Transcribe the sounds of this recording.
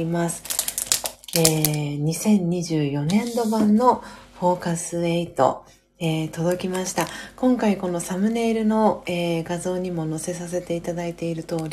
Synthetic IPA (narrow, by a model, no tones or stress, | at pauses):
imasɨ̥ | eːɲ̟isẽ̞ɲ̟ɲːiʑɨːjo̞nẽ̞nd̪o̞bãnːo̞ɸo̞ːkasɨe̞it̪o̞̰ | eːt̪o̞d̪o̞kʲimaɕi̥t̪akõ̞ŋkaiko̞no̞samɯ̟ne̞ːɾɯ̟no̞eːɡazo̞ːɲ̟imo̞no̞se̞s̬as̬e̞t̪e̞it̪ad̪ait̪e̞iɾɯ̟t̪o̞ːɾʲi